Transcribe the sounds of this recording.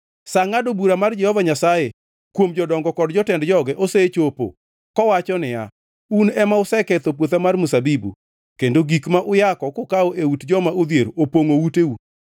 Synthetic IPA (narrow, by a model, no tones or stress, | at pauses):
saŋadobuɾamard͡ʒɛhɔvaɲasaje | kwomd͡ʒɔdɔŋɡɔkɔdd͡ʒɔtɛndd͡ʒɔɡɛʔoset͡ʃopo̰ | kɔwat͡ʃɔnɪja̰ | unɛmaʊsɛkɛt̪op̬wot̪amarmusabibṵ | kendoɡikmaʔʊjakɔkokaoʔewutd͡ʒɔmaod̪jeɾoopoŋowuteu